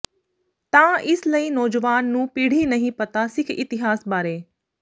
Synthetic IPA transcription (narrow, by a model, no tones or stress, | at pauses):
t̪ãːʔɪsləiːnɔːd͡ʒʋaːnːũːpiːɽ̤inɐɦĩpɐt̪asɪkʰɪt̪ɪɦaːsbaːɾeː